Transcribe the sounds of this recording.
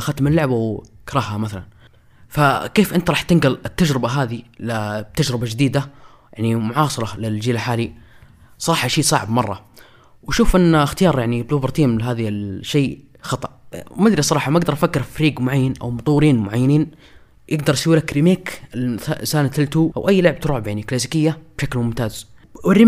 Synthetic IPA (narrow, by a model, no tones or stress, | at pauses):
xat̪mɪlːʊʕbawkɑɾˤɑːhːamaθalan | fakeːfʔɪnt̪ɾɑːħt̪ɪnɡalɪt̪ːad͡ʒɾɪbaɦaːðilɪt̪ad͡ʒɾɪbad͡ʒɪd̪iːd̪a | jaʕnimʊʕɑːsˤɨɾˤɑlɪld͡ʒiːlalħaːli | sˤɑˤɑːħɑʃiːsˤɑʕbmɑrˤːɑ | waʃuːfʔɪnːxt̪ɪjɑːɾˤjaʕniblubɪɾˤt̪iːmlɪɦaːðilʃːeː | xɑt̪ˤɑʔmad̪ɾisˤɑɾˤɑːħɑmaaɡd̪ɑɾˤfakːɪɾfaɾiːɡmʊʕajːanʔa̰wmʊt̪ˤuːɾiːnmʊʕajːaniːn | jʔɪɡd̪ɑɾˤʔsawːilakɾimeːkɪlasaːnt̪ɪlt̪uːʔa̰wʔajːlʊʕɪb̚t̪ɾˤuːʕbeaniklaːs̬ikɪjːab̥ʃaklmʊmt̪aːz | wɪrːɪ